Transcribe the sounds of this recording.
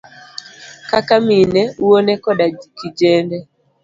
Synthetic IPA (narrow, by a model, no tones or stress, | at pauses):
kakaminɛuwonɛkɔɗakid͡ʒɛnɛ